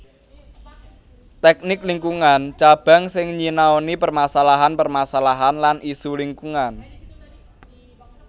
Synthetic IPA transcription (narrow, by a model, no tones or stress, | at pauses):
t̪ɛk̚nɪkliŋkuŋant͡ʃab̥a̤ŋsɪŋɲinaonipərmasalaɦanpərmasalaɦanlanʔisuliŋkuŋan